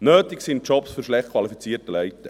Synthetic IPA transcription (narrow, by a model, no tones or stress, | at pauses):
nøːtɪksint̚t͡ʃɔpsføɾʃlɛχtkʰvɑlifit͡siːtəlɛɪtə